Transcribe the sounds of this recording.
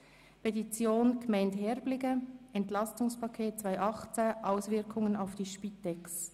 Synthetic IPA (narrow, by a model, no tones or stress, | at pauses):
pʰetit͡sjoːnɡ̥əmɛɪnthɛʁblɪɡəɛntlɑstʊŋspʰɑkʰeːt̚t͡svaɪʔɑχt͡səʔaʊsvɪɐkʰʊŋənaʊfd̥iːʃpitːɛks